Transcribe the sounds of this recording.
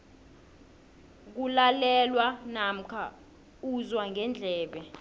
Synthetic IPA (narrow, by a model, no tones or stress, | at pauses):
k̬ulalɛlwanam̩kʰa | uzwaŋʱɛnd͡ɮʱɛːɓɛ